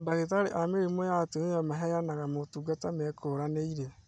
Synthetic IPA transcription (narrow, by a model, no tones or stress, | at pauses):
baɣetaɾeʔameɾemojateneamaɦɛjanaɣamotuɡatamɛkʰoɾaneiɾe